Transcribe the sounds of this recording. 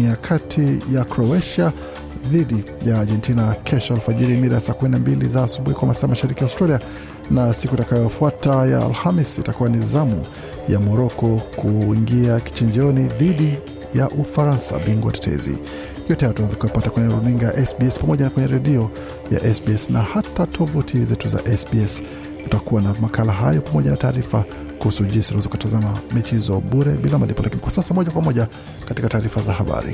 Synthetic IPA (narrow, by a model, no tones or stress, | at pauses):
iakʰatʰijakɾɔɛʃa | ðiɗi | jaːɾɡɛntinakʰɛʃɔalfaʄiɾimiɾajasaːkuminambilḭzaːsuɓuhikwamasaːmaʃaɾikijaustɾalia | nasikutakajɔfuataja̰ːlhamisitakuwanizamu | ja̰mɔɾɔkɔkuiŋɡiaki̥t͡ʃiɲd͡ʒɔniðiɗi | jaʔufaɾansa̰ɓiŋɡwa̰tɛ̥tʰɛ̰zḭ | jɔtɛhajtawɛzakuaupatakwɛɲɛɾuniŋɡaaʔɛsbiɛspamɔʄanakwɛɲɛɾɛɗiɔ | ja̰ʔɛsbiɛsnahatatʰɔvutʰizɛtuza̰ʔɛsbiɛs | ku̥takuwanamakalaɦajɔpamɔʄanataːɾifa | kuhusud͡ʒisiuwɛzɔkuatazamamɛt͡ʃihizɔɓuɾɛɓilamalipɔlʔakinikwasasamɔʄakwamɔʄa | katikataːɾifazahaɓa̰ɾḭ